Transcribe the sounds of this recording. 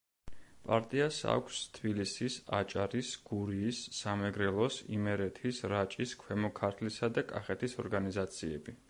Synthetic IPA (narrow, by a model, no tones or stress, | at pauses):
pʼa̰ɾt̪ʼiasa̰kʷʰst̪ʰbilisisa̰t͡ʃʼaɾisɡ̥uɾiːsːamɛɡɾɛlˠɔsḭmɛɾɛt̪ʰisɾat͡ʃʼiskʰwɛmɔkʰaɾt̪ʰlisad̪akʼa̰χɛt̪ʰisɔɾɡanizat̪sʰiɛbi